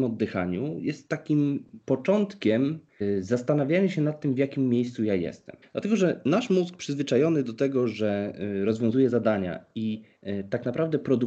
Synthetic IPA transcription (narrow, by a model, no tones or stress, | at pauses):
mɔd̪ːɘxa̰ɲujɛst̪ːakʲimpɔt͡ʂɔnt̪kʲɛm | zast̪anavʲjajɲɕɛnat̪ːɘmvjakʲimːʲjejst̪sujajɛ̰st̪ɛ̰md̪lat̪ɛɡɔʐɛnaʂmusk̚pʂɘzvɘt͡ʂajɔnɘd̪ɔt̪ɛɡɔʐɛɾɔzvʲjɔ̃zujɛzad̪aɲa̰it̪aknapɾavd̪ɛpɾɔd̪u